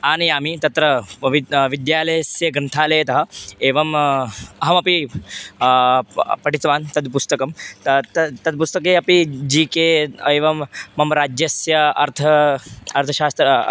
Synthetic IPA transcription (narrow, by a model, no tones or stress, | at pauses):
aːñiamit̪ɐt̪ɾɐʋiʋid̪jaːlɐjɐsjɐɡɾɐnt̪ʰaːleːt̪ɐɦɐeːʋɐmɐɦɐmɐpi | pɐʈit͡sʋaːnt̪ɐd̪pust̪ɐkɐmt̪t̪ɐt̪ɐd̪̚pust̪ɐkeːɐpid͡ʑiːkeːeːʋɐmːɐmɾaːd͡ʒjɐsjɐɐɾt̪ʰɐɐɾt̪ʰɐɕaːst̪ɾɐ